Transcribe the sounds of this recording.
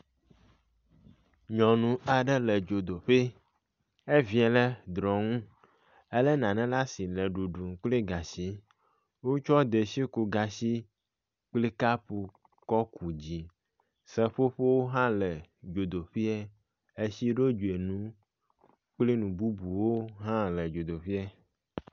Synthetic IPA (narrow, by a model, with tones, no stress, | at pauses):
ɲɔ̃˨nũ˨a˨ɖɛ˦lɛ˨d͡ʒo˨d̪o˨ɸe˦ | e˦vi˨˦ɛ˨lɛ˦d̪ɾɔ̃˨ŋũ˦ | ɛ˦lɛ˦nã˨nɛ̃˦la˦si˨lɛ˨ɖu˨ɖu˨ŋ˨k͡pli˦ɡa˨si˦ | wo˦t͡ʃɔ˦d̪e˨si˦ku˨ɡa˨si˦ | k͡pli˦ka˦pu˨ | kɔ˦ku˨d͡ʑi˨ | sɛ˦ɸo˦ɸe˦wo˦ɦã˦lɛ˨d͡ʒo˨d̪o˨ɸi˦ɛ˦ | e˦si˦ɖo˦d͡ʒu˨e˨nũ˦ | k͡pli˦nũ˨bu˦bu˨wo˦ɦã˦lɛ˨d͡ʒo˨d̪o˨ɸi˦a˦